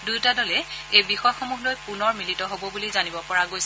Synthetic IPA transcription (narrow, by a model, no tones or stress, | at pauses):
dujtadɔlɛejbixɔjxomuɦlojpunɔɹmilitɔɦobɔbulizanibɔpɔɹaɡojs